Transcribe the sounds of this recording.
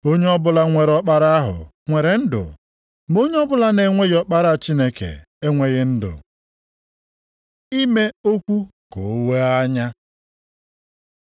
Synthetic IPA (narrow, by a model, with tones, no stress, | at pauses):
o˦ɲe˦ɔ˦bʊ˦la˦ŋʷe˨ɾɔ˦k͡pa˦ɾa˦a˦ɦʊ̰˨ | ŋʷe˨ɾe˨n̩˦dʊ̰˨ | m˦o˦ɲe˦ɔ˦bʊ˦la˦ne˨ŋʷe˦ɣɪ˦ɔ˦k͡pa˦ɾa˦˨t͡ʃi˦ne˦kḛ˨ | e˦ŋʷe˦ɣɪ˦n̩˦dʊ̰˨ | i˦me˦o˦kʷu˦ | ko˨o˦we˦a˦ɲa˦